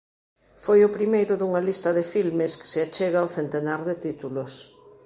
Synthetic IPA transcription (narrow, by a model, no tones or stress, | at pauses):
fojʊpɾimejɾʊðuŋɐlist̪ɐðɪfilmɪskɪ̥seat͡ʃeɣawθent̪enaɾðɪt̪it̪ulʊs